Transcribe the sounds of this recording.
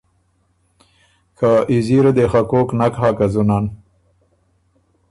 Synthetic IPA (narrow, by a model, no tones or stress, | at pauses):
kʰaʔiziɾad̪exakoknakɦaːkazunan